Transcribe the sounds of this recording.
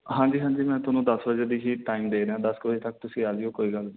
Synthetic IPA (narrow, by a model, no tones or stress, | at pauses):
ɦãːd͡ʒiːɦãːɲd͡ʒiːmɛ̃ːt̪ʊnũːd̪əsbəd͡ʒeːd̪iːɦiːʈaːimd̪eːd̪eːãːd̪əskəd͡ʒeːt̪ək̚t̪ʊsĩːaːd͡ʒiõːkoːiːɡəl